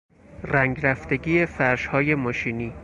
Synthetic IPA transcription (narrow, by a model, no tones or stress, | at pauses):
ræŋɡɾæft̪eɡiːefæɾʃhɒːje̞mɒːʃiːniː